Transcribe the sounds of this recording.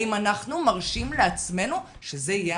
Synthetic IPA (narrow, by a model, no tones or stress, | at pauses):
imanaχnumaʁʃimleat͡sme̞nu | ʃezeije